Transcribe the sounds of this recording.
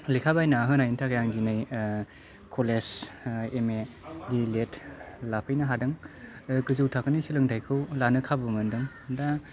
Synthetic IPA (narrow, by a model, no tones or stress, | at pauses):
likʰabajnaɦɯnajintʰakajaŋɡinɯj | kʰoleseme | diletʰlapʰɯjnaɦadɯŋɡɯzɯwtʰakɯnisilɯŋtʰajkʰɯwlanɯkʰabɯmɯndɯŋ | da